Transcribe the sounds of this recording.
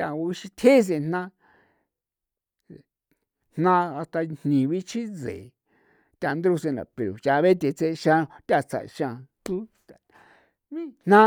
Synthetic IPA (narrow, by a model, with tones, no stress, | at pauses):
tʲa˧˨˧i˧ʃi˧t̪ʲʰe˦˧s̬e˧n̥nã˦˧˨ | n̥nã˧a˧t̪a˧n̥nĩ˨βi˦t͡ʃʰĩ˦d͡zḛ˨ | t̪ʲa˧nd̪ɾu˧se˧na̰˨pe˨ɾo˨t͡ʃa˧βe˦t̪ʲe˧t͡se˧ʃã˧t̪ʲa˧t͡sa̰˧˨ʔʃã˧t̪u˦t̪a˧ | βĩ˦n̥nã˦